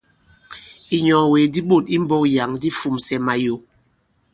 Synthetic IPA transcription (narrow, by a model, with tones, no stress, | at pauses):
i˨ɲɔ˨weː˨di˦ɓo˦˨ti˦m̩˦bɔ˦kja˨ŋdi˦fu˨msɛ˨ma˨jo˨